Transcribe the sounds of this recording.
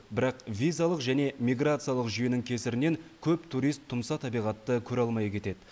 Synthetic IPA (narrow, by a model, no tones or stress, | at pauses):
bɪɾɑqvʲijzalˠəqʒæne̞mʲijɡrat̪sɨjalˠəqʒʏjenɪŋkʲʰe̞sɪɾɪne̞ŋkʲʰɵpt̪ʰuɾijst̪ʰːʊmsɑt̪ʰɑbijʁɑt̪ːəkʲʰɵɾɑlˠmɑjkʲʰe̞t̪e̞d̪ɪ